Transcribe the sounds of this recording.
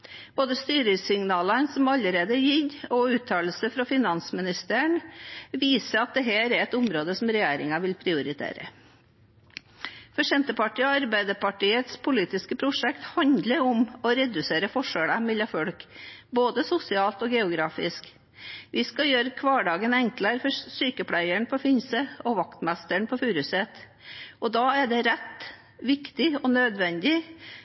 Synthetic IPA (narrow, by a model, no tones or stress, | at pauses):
b̥oːd̪əst̪yːɾəsɪŋnɑːlənsɔmɑləɾeːd̪əjɪlɔʉːt̪ʰːɑːlsəfɾɑfɪnɑnsmɪnɪst̪əɳʋiːsəɾɑt̪̚d̪ɛɦæːɾɛɾɛt̪ʊmɾoːd̪əsɔmɾɛjæːɾɪŋɑʋɪlpʰɾɪʊɾɪt̪ʰḛːɾə̰ | fɔʂɛnt̪əpɑʈiːɔɑɾbæɪd̪əpɑʈiːət̪spʰʊliːt̪ɪskəpʰɾʊʂɛkt̪hɑnd̪ləɾʊmɔɾɛd̪ʉseːɾəfɔʂəɽəmɪlːɑfɔɽkboːd̪əsʊsɪɑːlt̪ɔːɡɛʊɡɾɑːfɪsk | ʋɪskɑjøːɾəkʰʋɑːɖɑːɡənɛŋkləɾfɔɾsyːkəpʰlæɪəɳpʰɔfɪnsəɔʋɑkt̪mɛst̪əɳpʰɔfʉːɾʉsɛt̪ | ɔd̪ɑːæɖɛɾɛt̪ː | ʋɪkt̪ɪɔnøːd̪ʋɛnd̪ɪ